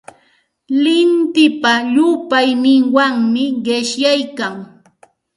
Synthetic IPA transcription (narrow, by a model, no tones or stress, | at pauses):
lɪnt̪ɪpaʎʊpajnɪŋwaŋmɪɢeʃjajkaŋ